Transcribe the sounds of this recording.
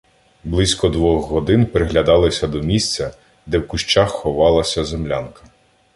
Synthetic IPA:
blˠɪsʲkɔd̪ʋɔxɦɔd̪ɪnpɾeɦlʲɐd̪ɑlˠɪsʲɐd̪ɔmʲisʲt͡sʲɐ | d̪ɛwkʊʃt͡ʃaxːɔʋɑlˠɐsʲɐzemlʲankɐ̥

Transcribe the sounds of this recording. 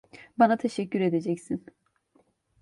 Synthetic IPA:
banat̪ʰeʃɛcːyɾe̞d̪e̞d͡ʒɛcsin

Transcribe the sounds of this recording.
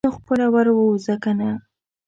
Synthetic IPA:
oxpəɾawaɾwəwzakana

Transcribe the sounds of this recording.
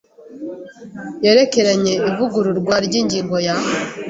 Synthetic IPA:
je̞ɾe̞ke̞ɾaɲe̞ivuɡuɾuɾɡwaɾɟiːɲɟiːŋɡo̞jaha

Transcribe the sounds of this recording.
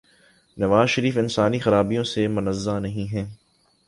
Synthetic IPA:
nɐʋaːzʃɐɾiːfɪnsaːnixɐɾaːbijõsemʊnɐzːanɐɦĩɦɛ̃ː

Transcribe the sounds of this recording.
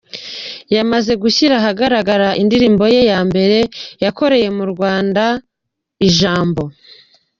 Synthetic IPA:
jamaze̞ɡuçiɾaɦaɡaɾaɡaɾaʔindiɾiːmbo̞je̞jaːmbe̞ɾe̞jako̞ɾe̞je̞muɾɡwaːnda | iʒaːmbo̞

